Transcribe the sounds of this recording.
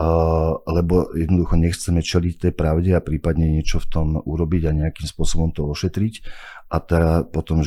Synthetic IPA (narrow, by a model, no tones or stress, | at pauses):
lɛbɔjɛd̪nɔd̪uxɔɲɛxt͡sɛmɛt͡ʃɛlict̪ɛjpɾaʊɟɛapɾiːpad̪ɲɛɲɪɛt͡ʃɔft̪ɔmʔuɾɔbiɟaɲɛakimspʊɔsɔbɔmt̪ɔɔʃɛt̪ɾicʔat̪ɛpɔt̪ɔm